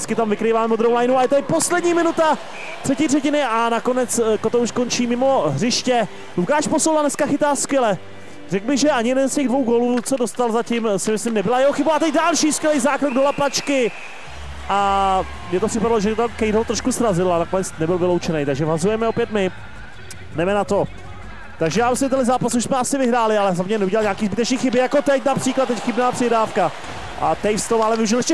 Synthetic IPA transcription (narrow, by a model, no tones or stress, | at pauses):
ɪt͡skɪt̪amvɪkɾiːvaːmɛmod̪ɾowlajnuajɛt̪adɪpo̞slɛdɲiːmɪnut̪a | t̪r̥ɛciːr̥ɛcɪnɪʔanako̞nɛt͡skot̪ouʃko̞nt͡ʃiːmɪmo̞ɦrɪʃcɛ | lukaːʃposolanɛskaxɪt̪aːskvjɛlɛ | rɛkbɪɣʒɛʔaɲɪjɛdɛnscɛɣdvo̞wɡoluːt͡sodost̪alzacɪmsɪmɪslɪmnɛbɪlajɛɦoxɪbuat̪ɛc̚dalʃiːskjɛlɛjzaːkɾoɡ̚dolaplat͡ʃkɪ | ʔa | mɲɛt̪opr̥ɪpadaloʒɛt̪amkɛjdot̪ɾoʃkusɾazɪlanakonɛt͡snɛbɪlvɪlowt͡ʃɛnɛjt̪aɡʒɛvɦazujɛmɛo̞pjɛt̪mɪ | dɛmɛnat̪o̞ | t̪aɡʒɛjaːmsɛmt̪ɛnlɪzaːpasuʃsmɛasɪvɪɦɾaːlɪalɛzamɲɛnɛuɟɛlalɲaːkiːzbɪt̪ɛt͡ʃniːxɪbɪjakot̪ɛcnapr̥iːklat̪̚t̪ːɛcxɪbnaːpr̥ɪɦɾaːfka | ʔat̪ɛjfst̪omaalɛvɪuʒɪlɛʃcɛ